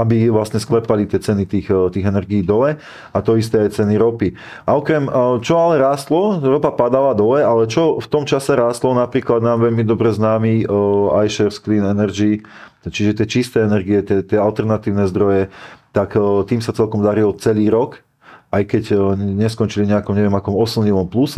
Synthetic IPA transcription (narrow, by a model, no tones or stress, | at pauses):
abiʋlasɲɛsklɛpalit̪ɪɛt͡sɛnit̪iːxt̪iːɣɛnɛɾɡiːd̪ɔlɛ | at̪ɔis̬t̪ɛajt͡sɛniɾɔpi | ʔaɔkɾɛmt͡ʃɔalɛɾaːst̪lɔɾɔpapad̪alad̪ɔlɛalɛt͡ʃɔft̪ɔmt͡ʃasɛɾaːst̪lɔnapɾiːklad̪naːmʋɛʎmid̪ɔbɾɛznaːmiajʃɛɾskliːnɛnɛɾd͡ʒi | t͡ʃiʒɛt̪ɪɛt͡ʃist̪ɛɛnɛɾɡiɛt̪ɛt̪ɪɛalt̪ɛɾnat̪iːʊnɛzd̪ɾɔjɛt̪akt̪iːmsat͡sɛlkɔmd̪aɾilt͡sɛliːɾɔk | ajkɛcɲɛskɔnt͡ʃiliɲɛakɔmɲɛʋɛmakɔmɔsl̩ɲilɔmplus